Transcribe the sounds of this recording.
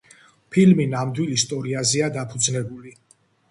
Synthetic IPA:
pʰilminamd̪wilist̪ʼɔɾiazɛad̪apʰud̪znɛbuli

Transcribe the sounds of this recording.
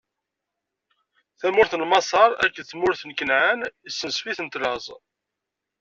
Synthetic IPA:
θæmʊɾθənmɑsˤɑɾˤæ̰kːəθmʊɾθənkənʕənisːənsfiθənt̪lɑzˤ

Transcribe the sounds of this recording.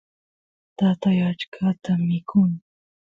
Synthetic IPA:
t̪at̪ajat͡ʃkʰat̪amɪkʰʊŋ

